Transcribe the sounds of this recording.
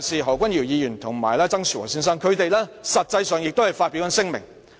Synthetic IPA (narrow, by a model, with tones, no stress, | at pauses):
siː˨ɦɔː˨˩wkʷɐ˥njiː˨˩wjiː˨˧jyː˨˩nt̪ʰʊ˨˩ŋmaː˨˩jlɛː˥t͡sɐ˥ŋsʰyː˨˩wɔ̰ː˨˩syː˥ns̬ɐ˥ŋkʰɵ˨˧ɥt̪e˨jlɛː˥sɐ˨t̚t͡sɐ˧jsœː˨˧ŋjɪ˨k̚t̪o˥hɐ˨˩jfaː˧t̚pi˨˥wkɐ˨˥nsɪ˥ŋmɪ̰˨˩ŋ